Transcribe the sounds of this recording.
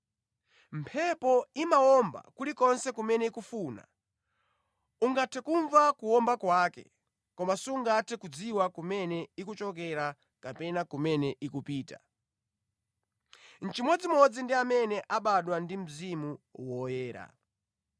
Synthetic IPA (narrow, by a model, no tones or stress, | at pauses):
mpʰɛpɔimaɔmba̰kulikɔnsɛkumɛnɛikufuna̰ | uŋɡatʰɛkuɱvakuɔmbakwakɛ̰ | kɔmasiuŋɡatʰɛkud͡ziwakumɛnɛikut͡ʃɔk̬ɛɾa | kapɛnakumɛnɛʔikupiːta | n̩t͡ʃimwɛd͡zimɔd͡zindiamɛnɛʔaɓaɗwandim̩zimuwɔjɛːɾa̰